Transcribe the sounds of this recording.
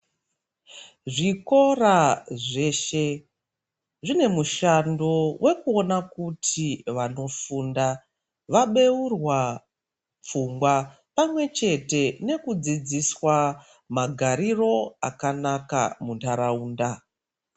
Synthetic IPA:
ʐiko̞raʐe̞ːʃe̞ | ʐine̞muʃando̞we̞kuo̞nakutʰiʋano̞funda | ʋaɓe̞urwa | p͡fuŋɡwa | pamwe̞t͡ʃe̞te̞ne̞kud͡zid͡ziswa | maɡʱaɾiro̞a̰kanaka̰muntaɾauːnda

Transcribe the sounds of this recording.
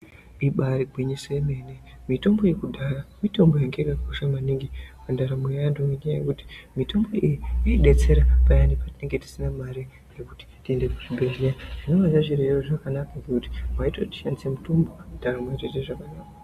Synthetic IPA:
iɓaɾiɡʱwiɲisoeme̞ːne | mito̞mbo̞je̞kudʱaramito̞mbo̞jaŋɡeɾakoʃamaniŋɡipandaɾamejajandoneɲajaje̞̰kuti̥mito̞mbo̞ijiiiɗe̞t͡se̞ɾapajandipatine̞ŋɡe̞ti̥sinamaɾi | ɡe̞kuti̥tiende̞kuʐibʱeʒijaʐ̥ino̞azaʐireeroʐakanakaŋɡekuti̥mwaitoti̥ʃandisemutombondaɾamwat͡ʃeteʐakanaːka

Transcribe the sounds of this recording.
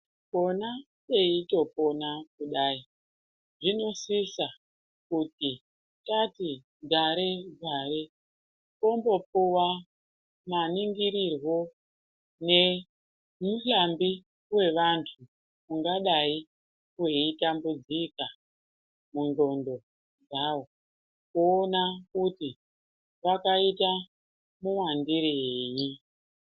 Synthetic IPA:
ko̞na | eito̞po̞nakuɗaːi | ʐino̞sisa | kuti | tati | ɡʱaɾeɡʱare | kombo̞puwa | maniŋɡiɾirwo̞ | ne̞ | muɬambi | we̞ʋantʰu | muŋɡaɗai | kueitambud͡zika | mundo̞ndo̞ | d͡zawo | kuːnakuti | ʋakaita | muwandiɾeji

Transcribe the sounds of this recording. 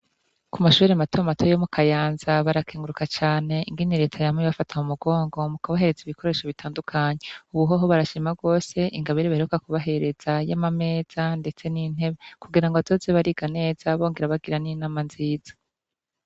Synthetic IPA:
kumaʃuːɾematoamatʰojomukʰajaːnzaβaɾakʰeːŋɡuɾukat͡ʃaːne̞iŋɡiniɾe̞ːtʰajameβafatʰamumuɡo̞ːŋɡo̞mukaβaɦe̞ɾe̞ziβikʰo̞ɾe̞ːʃo̞βitaːndukʰaɲe̞uβuɦoɦoβaɾaʃimaɡo̞ːse̞ʔiŋɡaβiɾeβaheukakuβaɦe̞ɾe̞z̥ajamame̞ːz̥ande̞t͡se̞nin̥e̞βe̞kuɡiɾaŋɡoazozeβaɾiːɡane̞ːz̥aβo̞ːŋɡe̞ɾaβaɡiɾaninaːmanziːz̥ḁ

